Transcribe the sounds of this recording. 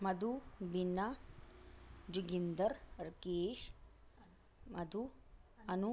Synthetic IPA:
mɐd̪ubinːɐ | d͡ʒiɡind̪ɐɾɾkeːʃ | mɐd̪u | ɐnu

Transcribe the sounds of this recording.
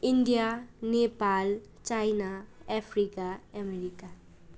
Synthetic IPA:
ɪnɖijanepaːl | t͡ʃaːɪnaɛpʰɾikaɛmeɾika

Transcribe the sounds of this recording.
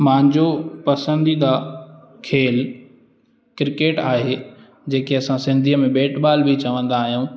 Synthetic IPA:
mãːɲd͡ʑopɐsə̃nd̪id̪aː | kʰeːl | kɾɪkeːʈaːɦe | d͡ʑeːkeɐsãsɪ̃nd̪ʱiəmẽbeːʈɓaːlbʱit͡ɕɐʋə̃nd̪aːɦijũː

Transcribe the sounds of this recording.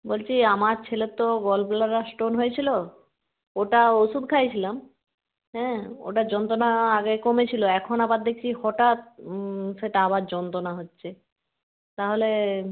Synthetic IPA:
bolt͡ɕʰiamaɾt͡ɕʰelet̪ːoɡɔlplaɾasʈonɦojet͡ɕʰilo | oʈaosud̪kʰajt͡ɕʰilam | ɦɛ̃o̰ʈad͡ʑɔnt̪onaaɡekomet͡ɕʰiloɛkʰonabaɾd̪ekʰt͡ɕʰihɔʈat̪̚seʈaabaɾd͡ʑɔnt̪onaɦotːɕʰe | t̪aɦole

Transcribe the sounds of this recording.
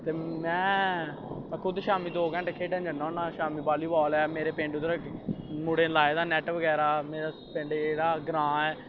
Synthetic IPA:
t̪eːmɛ̃ː | kʰʊd̪ʃaːmiːd̪oːkɛ̃ːɳʈːkʰeːʈɛ̃ːnd͡ʒənːaːnaːʃaːmiːbaːliːbɔːlɛːmeːɾeːpẽːɳɖʊd̪əɾɛmʊɽeːlaːeːd̪aːnɛːʈʋəɡɛːɾaːmeːɾa | pẽːɳɖeɽaːɡɾãːɛː

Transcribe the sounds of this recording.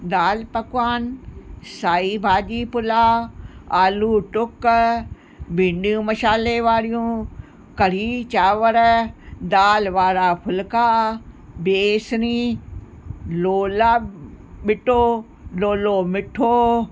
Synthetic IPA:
d̪aːlpɐkwaːnsaːiːbʱaːd͡ʒiːpʊlaːaːluːʈʊk | bɪnɖiũmɐʃaːleʋaːɾijũː | kɐɾ̤iːt͡ɕaːʋəɾd̪aːlʋaːɾaːpʰʊlkaː | beːsniː | loːla | ɓɪʈoː | loːloːmɪʈʰoː

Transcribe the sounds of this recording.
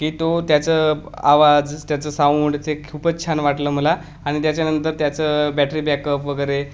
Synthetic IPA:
kiːt̪ot̪jat͡səːa̰ʋad͡zt̪jat͡səːsauɳɖt͡sekʰupət͡ɕʰanʋaʈləːm̤əla | aɽ̃it̪jat͡ɕjanənt̪əɾt̪jat͡səbæʈɾiːbakəpʋəɡəjɾe

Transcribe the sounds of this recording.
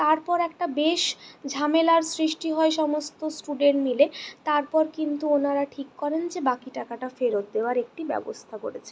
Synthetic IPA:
t̪aɾpɔɾɛk̚ʈabeʃd͡ʑʱamelaɾsɾiʃʈiɦɔeʃɔmost̪osʈuɖeɳʈmilet̪aɾpɔɾkint̪uonaɾaʈʰikːɔɾend͡ʑebakiʈakaʈafeɾot̪̚d̪eoaɾek̚ʈibɛ̰bo̰st̪ʰako̰ɾet͡ɕʰe

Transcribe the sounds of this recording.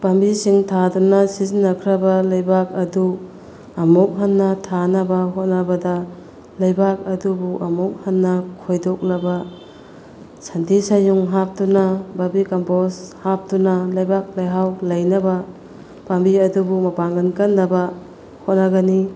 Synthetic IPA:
pambisiŋtʰadunasizinːɐkʰɾabalajbak̚ɐdu | ɐmok̚ɦanːɐtʰanɐbaɦot̚nabɐdɐ | lajbak̚ɐdubuʔɐmok̚hanːɐkʰojdok̚lɐba | sʰantisajuŋɦap̚tunababikamposhap̚tunalɐjbak̚lajɦawlɐjnaba | pambiɐdubumɐpaŋɡankanːɐba | hot̚naɡani

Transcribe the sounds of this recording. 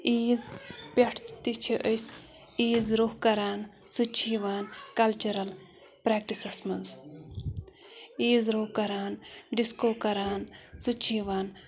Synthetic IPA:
iːzpʲeʈʰt̪it͡ʃʰiʔəjs | iːzɾohkɐɾaːn | sut͡ʃʰiːʋaːnkɐlt͡ʃuɾɐl | pɾeːk̚ʈisɐsmɐns | iːzɾoːkɐɾaːnɖiskoːkɐɾaːnsut͡ʃʰiːʋaːn

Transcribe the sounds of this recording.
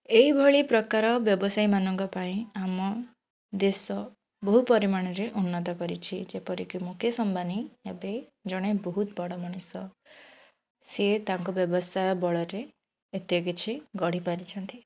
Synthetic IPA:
eɦibʱɔɭipɾɔkaɾɔbjɔbɔsaimanɔŋkɔpaĩamɔ | d̪esɔ | bɔɦupɔɾimaɽ̃ɔɾeʔunːɔt̪ɔkɔɾit͡ʃʰid͡ʒepɔɾikimukʰesɔmbaniebed͡ʒɔɽ̃ebɔɦut̪bɔɽɔmɔɽ̃usɔ | set̪aŋkubjɔbɔsajɔbɔɭɔɾeː | t̪jɔk̬it͡ʃʰiɡɔɽ̤ipaɾit͡ʃʰɔnt̪i

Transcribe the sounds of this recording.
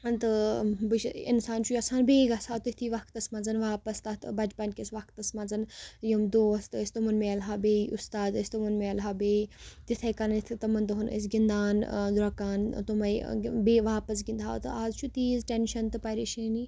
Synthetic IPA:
nt̪ɨbɨʃḭnsaːnt͡ʃʰuɐsaːnbeːɡɐsaːt̪ut̪ʰiːʋɐk̚ʰt̪ɐsmɐnzɐnʋaːpɐst̪ɐt̪bɐd͡ʒpɐnʲkʲesʋɐkt̪ɐsmɐnzɐnjɐmd̪oːɐst̪ɨsʲt̪umɐnmeɐlɦaːbeːiʔust̪aːd̪ɐsʲt̪umɐnmeɐlɦaːbeːt̪it̪ʰɐkɐnit̪ʰt̪ɐmɐnd̪ɐɦunə̰s̬ɡind̪aːnd̪ɾɐkaːnt̪umɐibeːʋaːpɐs̬ɡind̪ʱa̰ːt̪ɨaːzt͡ʃʰut̪iːzʈenʃɐnt̪ɨpɐɾiʃiniː

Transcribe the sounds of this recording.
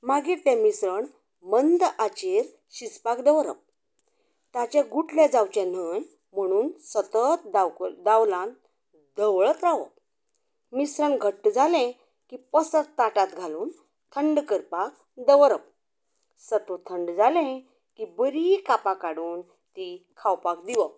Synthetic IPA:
maɡiɾt̪ɛ̃misɾəɳ | mənd̪at͡ɕeɾ | ɕispakd̪əʋɾə̰p̚ | t̪at͡ɕɛ̃ɡuʈʰled͡zawt͡ɕẽn̤ən | m̤əɽ̃uːnsət̪ət̪d̪d̪awlãn | d̪əʋɭət̪ɾaʋə̰ | misɾə̃nɡʱəʈːd͡zalɛ̃ | kipəsət̪t̪ːaʈat̪ɡʱaluːn | t̪ʰəɳɖkəɾpak̚ | d̪əʋɾəp̚ | sət̪ot̪ʰəɳɖd͡zalɛ̃ | kibəɾikapakaɽuːn | t̪ikʰawpak̚d̪iʋə

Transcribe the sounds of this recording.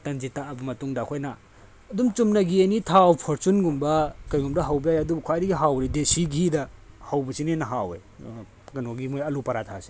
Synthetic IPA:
tɐnd͡ʒitaːbɐmɐtuŋdakʰojnaː | dumt͡ʃumnɐɡienitʰawpʰoɾt͡ʃunɡumbɐkɐjɡumdɐɦɐwbijajɐdubɐkʰwajɾiɡiɦawɾidesiɡidɐ | hɐwbɐsinenɐɦawḛ | ɡɐnoɡimojɐlupɐɾatʰase̥

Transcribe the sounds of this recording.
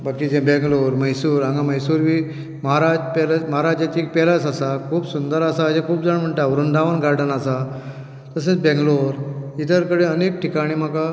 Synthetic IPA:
bakid͡ʑẽbɛ̃ŋɡloɾməjsuːɾãŋɡaməjsuːɾʋiː | məɦaɾad͡ʑpɛləməɦaɾad͡ʑat͡ɕipɛləsasakʰuːbsund̪əɾasaːd͡ʑẽkʰuːbd͡zəɳm̤əɳʈ̪aʋuɾund̪ʱaʋənɡaɾɖənasa | t̪əs̬ẽt͡sbɛ̃ŋɡloɾit̪əɾkəɽeənek̚ʈikaɽ̃iːm̤aka

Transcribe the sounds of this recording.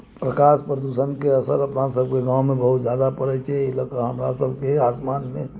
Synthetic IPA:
pɾəkaːspɾəd̪usənkeəsəɾəpnasəb̚ʱkeɡãːʊ̃mẽbəɦut̪zjad̪apəɾɛt͡ʃʰɛiləkəɾɦəmɾa̰səbʱkeaːsmaːnmẽ

